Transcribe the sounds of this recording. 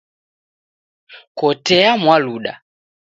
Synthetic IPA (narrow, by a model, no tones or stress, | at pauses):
kɔtɛamwaluɗa̰